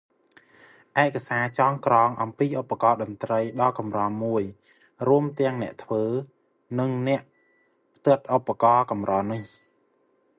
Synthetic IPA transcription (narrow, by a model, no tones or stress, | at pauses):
ʔaɛʔkːasaːt͡ɕɑːŋkrɑːŋʔɑmpiːʔopːakɑːɗɑnt̪rəjɗɑlkɑmrɑːmuəj | ruəmt̪ɛ̆əŋnɛ̆əʔt̪ʰʋəː | nɨŋnɛ̆əʔ | pʰt̪ɨət̪̚ʔopːakɑːkɑmrɑːnɨh